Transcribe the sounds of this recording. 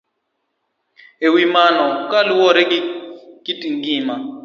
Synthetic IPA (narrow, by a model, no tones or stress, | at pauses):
ewimanɔukʼaliwɔɾɛkikitʼiŋɡiːma